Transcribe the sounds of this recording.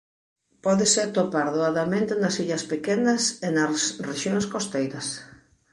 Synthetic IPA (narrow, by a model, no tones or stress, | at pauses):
pɔðeset̪opaɾðoaðamẽnt̪enɐsiʎɐspekenɐsenɐsreʃjoŋskost̪ejɾɐs